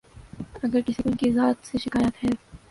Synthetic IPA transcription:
ɐɡəɾkɪsiʊnkizaːt̪seʃɪkaːjət̪ɦɛː

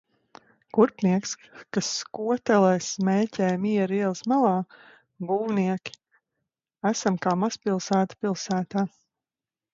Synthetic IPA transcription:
kuɾpniɛkskaskuɔt̪ɛlˠɛjsmɛːcʲɛːjmiɛɾiɛlˠsmalˠɑː | ɡuːwniɛkʲi̥ | æsamkaːmaspilˠsæːt̪ḁpilˠsæːt̪aː

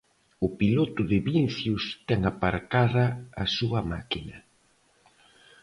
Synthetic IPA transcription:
ʊpilot̪ʊðɪβinθjʊst̪ɛŋapaɾkaðɐːsuɐma̰kinɐ

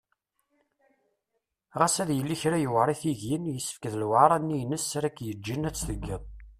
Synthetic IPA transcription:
ʁæsæðjəlːiçɾæjəwɾˤiθiðjinjəsːə̥fkəðlwaɾˤɑnːijnəsæɾækːjəd͡ʒːinæt͡sːθəɡːəðˤ

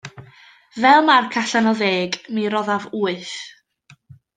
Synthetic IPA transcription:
vɛlˠmarkʰaɬanɔðeːɡmiɾɔðavuːɨθ

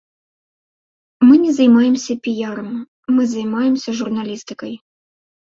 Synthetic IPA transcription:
mɨnʲɛzɐjmajɛmsʲɐpʲijaɾɐmː | ɨzɐjmajɛmsʲɐʐurnalʲist̪ɨkɐj

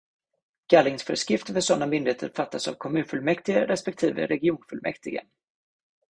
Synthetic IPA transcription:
ɡalːɪŋsfœːɾəskɾɪft̪əfœʂɔnːamʏnd̪ɪheːt̪əɾfat̪ʰːasa̰vkʰɔmʉ̟ːnfɵlmɛkt̪ɪɡaɾɛspɛkt̪ʰiːvə̰ɾɛɡɪuːnfɵlmʔɛ̰kt̪ɪɡə̰

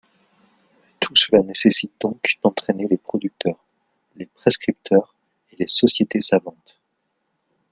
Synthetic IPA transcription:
t̪ʰusəlanesesit̪̚d̪̥ɔ̃kd̪̥ɑ̃t̪χenelepχɔd̪yk̚t̪œːʁ | lepχeskχip̚t̪œʁ | elesɔsjet̪esavɑ̃t̪

